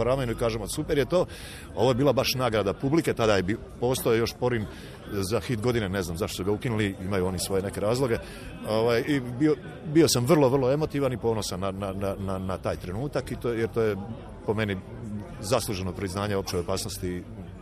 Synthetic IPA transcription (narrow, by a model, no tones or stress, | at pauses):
oɾamenuikaːʒemosupeɾjet̪o̞ː | o̞ʋo̞je̞biːlabaʃnaːɡɾad̪apublike̞t̪ad̪ajebi | po̞ːst̪ojejo̞ʃpo̞ɾim | zaxit̪ɡo̞d̪inene̞znamzaʃt̪osuɡaukinuliimajuo̞nisʋo̞je̞ne̞ke̞ɾaːzlˠo̞ɡe | oʋajibio | bio̞samʋrlˠo̞ʋrlˠoe̞mo̞t̪iʋanipo̞ːno̞sanːananananat̪aːjt̪ɾe̞nuːt̪akit̪ojeɾt̪oːje | po̞me̞ni | zaslˠuːʒe̞no̞pɾiznaːɲeo̞p̚t͡ʃeopaːsno̞st̪i